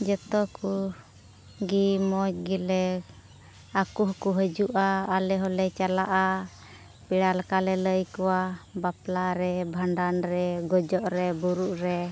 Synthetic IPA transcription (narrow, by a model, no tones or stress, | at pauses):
d͡ʒɛt̪ɔku | ɡimɔt͡ʃɡilɛ | akuhkuɦəd͡ʒuʔaːlɛɦɔlɛt͡ʃalaʔa | piɽalkalɛləjkɔwabaplaɾɛbʱaɳɖanɾɛɡɔd͡ʒɔʔɾɛbuɾuʔɾɛ